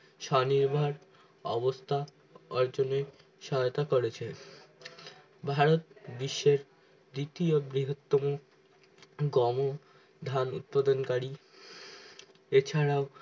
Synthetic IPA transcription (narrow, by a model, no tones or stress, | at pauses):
ʃɔniɾbʱaɾ | ɔbost̪ʰa | ɔɾd͡ʑone | ʃɔɦot̪akoɾet͡ɕʰe | bʱaɾot̪biʃːeɾ | d̪it̪iobɾiɦot̪ːomo | ɡɔmo | d̪ʱanṵt̪̚pad̪onkaɾi | et͡ɕʰaɾao